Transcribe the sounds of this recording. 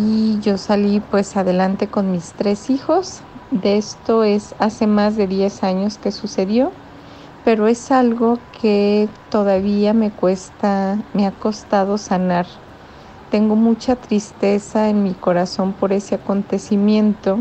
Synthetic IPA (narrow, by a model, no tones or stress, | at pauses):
iʝo̞salipwe̞saðe̞lant̪e̞ko̞nmist̪ɾe̞sixo̞z | d̪est̪o̞e̞sase̞mazðe̞ðje̞saɲo̞ske̞suse̞ðjo̞ | pe̞ɾo̞e̞salɣo̞kʰe̞t̪o̞ðaβiame̞kwest̪ame̞ako̞st̪að̞o̞sanaɾ | t̪e̞ŋɡo̞mut͡ʃat̪ɾist̪e̞saenmiko̞ɾaso̞mpo̞ɾe̞se̞ako̞nt̪e̞simjẽ̞nt̪o̞